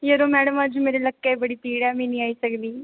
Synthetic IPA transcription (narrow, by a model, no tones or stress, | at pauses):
jəɾoːmɛːɽəmãːd͡ʒuːmeːɾeləkːebəɽiːt̪iːɽɛːmɛ̃ːnĩːaːiːsəkd̪iː